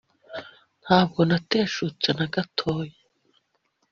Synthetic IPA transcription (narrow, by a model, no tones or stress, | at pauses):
n̥haːb̚ɡo̞nate̞ːʃut͡senaɡatʰo̞ːje